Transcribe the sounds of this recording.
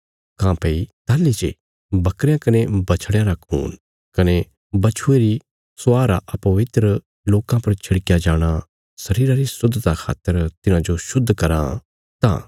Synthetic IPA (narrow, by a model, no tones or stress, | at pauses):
kãːpeit̪aːlːit͡ʃe | bɐkɾjãkɐnebɐt͡ʃʰɽjãɾakʰṵːn | kɐne | bɐt͡ʃʰʊeɾi | sʊaːɾaʔɐpɐʋɪt̪ɾə | loːkãpɐɾt͡ʃʰɐɽkjad͡ʒaːɽ̃a | sɐɾiːɾaɾisʊd̪ʱːt̪akʰa̰ːt̪ːəɾt̪ɪnãd͡ʒoʃʊd̪ʱːkɐɾã̰ | t̪ã̰ː